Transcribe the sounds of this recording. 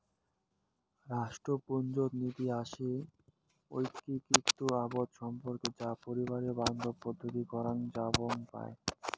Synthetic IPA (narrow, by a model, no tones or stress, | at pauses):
ɾaʃʈɾopond͡ʑot̪nit̪iaʃe | ojkːikɾikt̪ːuabod̪ʃɔmpoɾked͡ʑapoɾibaɾeoband̪ʱopod̪ʱːot̪ikɔɾand͡ʑaboŋpa̰e